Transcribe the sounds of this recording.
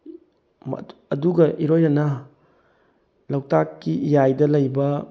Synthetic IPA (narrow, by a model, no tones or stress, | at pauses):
m̰ɐduɡɐʔiɾojɾɐnɐ | lɐwtakːiʔijajdɐlɐjbɐ